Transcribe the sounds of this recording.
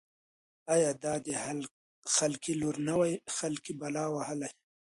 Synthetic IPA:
aːjɑːd̪ɑːd̪i | xalkiluɾnawajxalkibɐlaːwɐhəlaj

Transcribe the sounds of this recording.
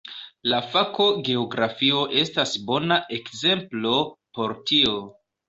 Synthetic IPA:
lafako̞ɡe̞oɡɾafio̞ʔe̞stasbo̞naʔe̞kze̞mplo̞po̞ɾtio̞

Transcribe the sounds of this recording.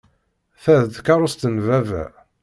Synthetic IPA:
θæðt̪kɑɾˤʊst̪ənvævæ̰

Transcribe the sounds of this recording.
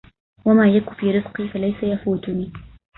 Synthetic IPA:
wamaːjakʊfiːɾɪfqiːfalajsajafuːt̪ʊniː

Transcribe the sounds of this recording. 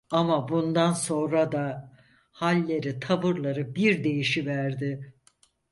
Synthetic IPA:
amabund̪anso̞nɾad̪a | halʲːe̞ɾit̪ʰabɯɾlˠaɾɯbiɾd̪e̞jiʃivæɾd̪ɪ

